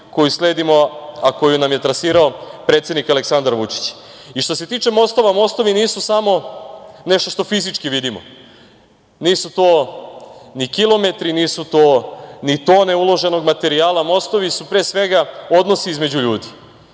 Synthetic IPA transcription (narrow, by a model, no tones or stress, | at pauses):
ko̞jusle̞ːd̪imo̞ako̞junamje̞t̪ɾasiːɾaopɾet̪sjed̪nikaleksand̪aɾʋut͡ʂi̥t͡ɕ | iʃt̪o̞se̞t̪iːt͡ʃe̞mo̞st̪o̞ʋamo̞st̪o̞ʋiniːsusamo̞ne̞ʃt̪o̞ʃt̪o̞fizit͡ʂkiʋid̪imo | niːsut̪oː | nikilˠo̞me̞t̪ɾiniːsut̪onit̪oːne̞ulo̞ʒe̞no̞ɡmat̪e̞ɾiaːlamo̞st̪o̞ʋisupɾeːsʋe̞ɡao̞d̪no̞siizme̞d͡ʑuʎuːd̪i